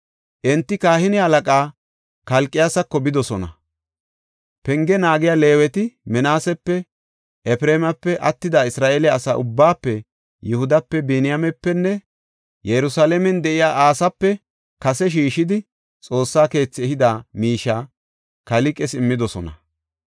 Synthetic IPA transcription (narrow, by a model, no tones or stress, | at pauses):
ʔɛnt̪ːɪkaːhɪnɪhɐlɐkʼaː | kɐlkʼːɪjasɐkːɔbɪd̪ɔsɔnɐ̰ | pɛŋɡɛnaːɡɪjaːle̞ːwɛt̪ɪmɛnaːsɛpːɛ | ʔɛpɾeːmɐpːɛʔɐ̰t̪ːɪd̪aɪsɾaːʔeːlɛɐsa̰ːʔʊbːaːpːɛ | jʊhʊd̪ɐpːɛbɛnɪjamɛpːɛnːɛ | jɛɾʊsaːlɛmɛnd̪ɛʔɪjaːʔaːsɐpːɛ | kɐsɛʃ̬iːʃɪd̪ɪ | t͡sʼo̞ːsːaːke̞ːt͡sːɪɛhɪd̪amiːʃaː | kɐlɪkʼɛsɪmːɪd̪ɔsɔnɐ̰